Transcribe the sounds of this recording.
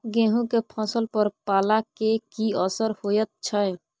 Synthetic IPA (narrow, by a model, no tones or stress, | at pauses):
ɡẽɦũkepʰɔ̃səlpəɾpalakekiəsəɾhojət̪̚t͡ʃʰəj